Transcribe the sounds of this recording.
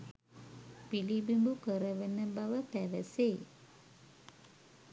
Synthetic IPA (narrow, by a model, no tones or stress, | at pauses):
pilibimbukəɾəʋenəbaʋəpæʋəseː